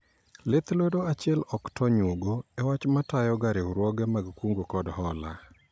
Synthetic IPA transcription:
let̪lwodoat͡ʃɪɛlɔktɔɲwoɡoɛwat͡ʃmatajɔɡaɾeɾwɔɡɛmaɡkwuŋɡokɔdhɔla̰

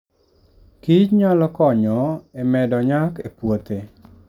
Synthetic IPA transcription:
kit͡ʃɲalɔkɔɲɔemɛdɔɲakepwot̪e

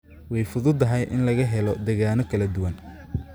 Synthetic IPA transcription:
wɛjfʊðʊd̪ɐɦɛjʔɪ̰nlɐɣɐɦɛlɔd̪eːɣaːnɔkʰɐlɐd̪ʊwɐn

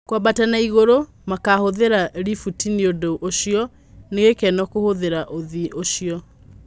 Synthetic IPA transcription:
kwabatanaiɣoɾo | makahoðeɾaɾifutiniodoʔoʃiɔ | neɣekɛnɔkohoðeɾaʔoðiʔoʃiɔ

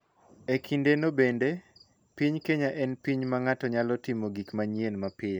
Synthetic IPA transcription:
ekʰindenobende | piɲkeɲaʔɛnpiɲmaŋatɔɲalɔtimoɡikmaɲjenmapɪj

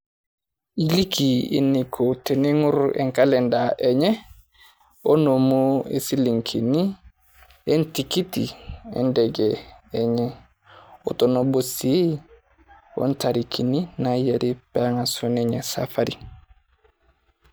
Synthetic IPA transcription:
ilikiḭnːikʰoteniŋuɾḛŋkalendaʔeɲe | onomuḛsiliŋkʰini | entikitḭḛndeɡeːɲe | o̰tonobosi | o̰ntaɾikʰininajeɾipaŋasuneɲesa̰faɾi

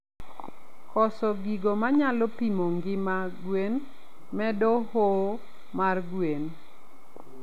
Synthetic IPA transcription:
kɔsɔɡiɡomaɲalɔpimoŋɡɪma | ɡwen | mɛdɔho | marɡwen

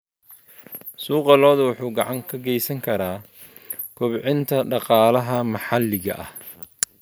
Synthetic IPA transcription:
suːqɑlɔːðɐwʊħuːɡɑʕɑŋkʰɐɡɛjsɐŋkʰɐɾaː | kʰʊβʕɪnt̪ʰɐɖɑqɑːlɐɦɐmɑħɑlːɪɣɐ̰ʔɐ̰h

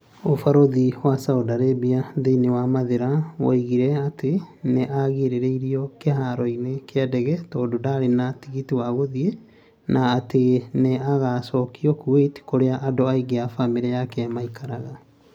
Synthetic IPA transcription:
ofaɾoðiwasaodaɾebiaðeinewamaðeɾawa̰iɣiɾɛateneʔaɣeɾeɾeiɾiɔkeɦaɾɔinekeadɛɣɛtɔːdodaɾenatiɣitiwaɣoðie | naːteneaɣasɔkiɔkueti̥koɾeaʔadoaiɡeafameɾɛjakɛamaikʰaɾaɣa

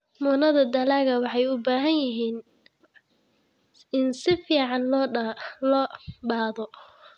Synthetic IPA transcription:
mʊːnɐðɐd̪ɐlaːɣɐwɑħɑjʊbaːɦɐnjɪɦiːn | ɪnsɪfiːʕɑnlːlɔbaːðɔ

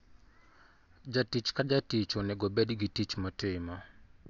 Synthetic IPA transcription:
d͡ʒatit͡ʃkad͡ʒatit͡ʃonɛɡobedɡitit͡ʃmɔtema

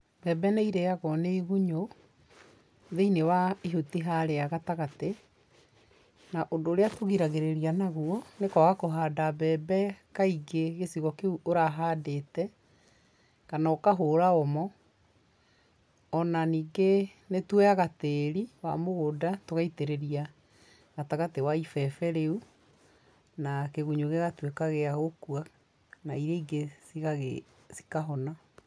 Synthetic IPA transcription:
bɛːbɛneiɾɛaɣɔneiɣuɲo | ðeinewaiɦutiɦaɾeaɣataɣate | naʔondoːɾeatoɣiɾaɣeɾeɾianaɣuɔnekɔɣakoɦaːdabɛbɛkaiɡeɣesiɣɔkeuʔoɾaɦaːdetɛ | kanaokaɦoːɾaɔmɔ | ɔnaniːɡenetwɛaɣateɾiwa̰moɣoːdatoɣaiteɾeɾia | ɣataɣatewaifɛfɛɾeu | nakeɣuɲoɣeɣatwekaɣeaɣokua | naiɾeiɡesiɣaɣe | si̥kaɦɔna

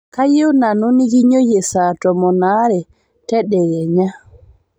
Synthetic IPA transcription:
kajownanonijiɲojɛsatɔmɔnaɾɛ | tɛɗɛjɛɲa

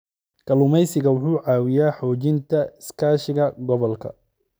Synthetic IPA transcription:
kʰɐlʊmɛjsɪɣɐwʊħuːʕaːwɪjaːħɔːt͡ʃɪnt̪ʰɐɪskʰaːʃɪɣɐɡɔβɔlkʰɐ̰

